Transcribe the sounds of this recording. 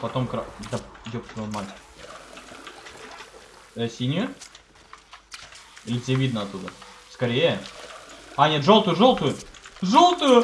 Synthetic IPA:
pɐt̪o̞mkɾad̪ɐdʲoksjonmalʲt͡ɕʲɪ | ɛsʲinʲjʊ | ilʲɪt̪ʲsʲevʲid̪nəɐt̪ːud̪əskɐɾʲejə | anʲet̪ʐo̞lˠt̪ʊjʊʐo̞lˠt̪ʊjʊʐolˠt̪ʊjʊ

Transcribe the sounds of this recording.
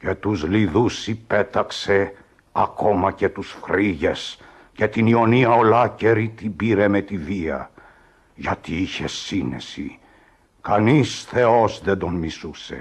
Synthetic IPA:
ce̞t̪uzliðusipe̞t̪ɐkse | ɐ̰ko̞mɐce̞t̪usfɾiʝe̞s | ce̞t̪inio̞niɐolɐce̞ɾit̪ibiɾe̞met̪iviɐ̰ | ʝɐt̪iiçesinḛsḭ | kɐnisθe̞o̞zðend̪o̞nmisuse̞̰

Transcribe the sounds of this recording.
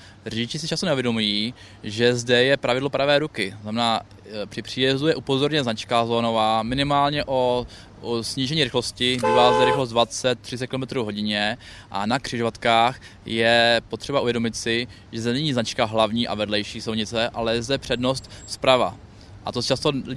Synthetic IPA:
rɛɟɪt͡ʃɪsɪt͡ʃast̪onɛuvjɛdo̞mujiː | ʒɛzdɛjɛpɾavɪdlo̞pɾavɛːɾukɪznamɛnaː | pr̥ɪpr̝̥iːjɛzujɛʔupo̞zoɾɲɛznat͡ʃkazoːno̞vaːmɪnɪmaːlɲɛʔo̞ | sɲiːʒɛɲiːɾɪxlo̞scɪbiːvaːzdɛɾɪxlost̪dvat͡sɛt̪̚ːr̝̥ɪt͡ssɛt̪kɪlomɛt̪ɾuːvɦo̞ɟɪɲɛ | ʔa̰nakr̝̥ɪʒovat̪kaːx | jɛpo̞t̪r̥ɛbaʔuvjɛdo̞mɪt̪sɪ | ʒɛzdɛnɛɲiːznat͡ʃkaɦlavɲiːʔa̰vɛdlɛjʃiːsowɲɪt͡sɛʔalɛzdɛpr̝̥ɛdno̞st̪spɾava̰ | ʔat̪ost͡ʃast̪olɪ

